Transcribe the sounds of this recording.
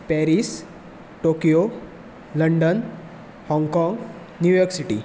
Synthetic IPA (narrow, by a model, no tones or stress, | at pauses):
pɛɾis | ʈokijo | ləɳɖən | hɔ̃ŋɡkɔŋɡ | njujɔksiʈḭ